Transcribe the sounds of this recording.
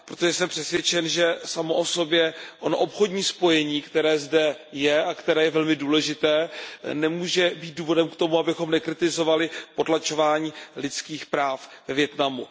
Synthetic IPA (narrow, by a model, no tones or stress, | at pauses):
pɾot̪o̞ʒɛsɛmpr̥ɛsvjɛt͡ʃɛnʒɛsamoʔo̞so̞bjɛʔonoʔo̞pxo̞dɲiːspo̞jɛɲiːkt̪ɛɾɛːzdɛjɛakt̪ɛɾɛːjɛvɛlmɪduːlɛʒɪt̪ɛːnɛmuːʒɛbiːt̪̚duːvo̞dɛmkt̪o̞muabɪxo̞mnɛkɾɪt̪ɪzo̞valɪpo̞tlat͡ʃo̞vaːɲiːlɪt͡skiːxpɾaːfvɛvjɛt̪namu